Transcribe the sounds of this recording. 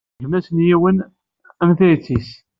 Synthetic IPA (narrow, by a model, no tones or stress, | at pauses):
ʒmæsənjiwən | æmθæjt͡sːis